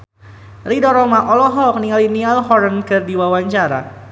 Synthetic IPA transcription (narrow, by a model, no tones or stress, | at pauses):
ridɔɾɔmaʔɔlɔɦɔk̚niŋalinialhɔɾənkɨrdiwawaɲt͡ʃaɾa̰